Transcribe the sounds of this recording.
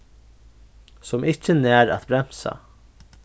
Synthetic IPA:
sɔmɪcːənɛːɾa̰t̪bɾɛm̥sa̰

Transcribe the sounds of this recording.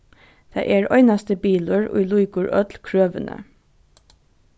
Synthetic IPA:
d̪̥ʰæ̰ɪʔeɹɔʏnast̪əbiːlʊɹʊ̰jluɪkʊɹœt̪lkʰɹøːʋənə̰

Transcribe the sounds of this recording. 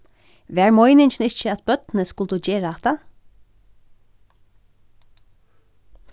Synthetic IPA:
ʋæːɹmɔjnɪɲt͡ʃnɪt͡ʃəat̪̚bœt̪nəskʊlt̪ud͡ʒeːɹaat̪a

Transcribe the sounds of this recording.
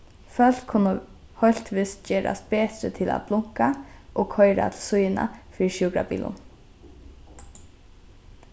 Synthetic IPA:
fœl̥kʰʊnə | hœlt̪ʋiːst̪d͡ʒeːɾʔa̰st̪̚beːt̪ɾət̪ʰɪla̰t̪blʊŋkaʔoːɡkʰɔʏɾa̰t̪ʰl̩sʊjna̰fiːɾʃjuːkɾabḭːlʊ̰n

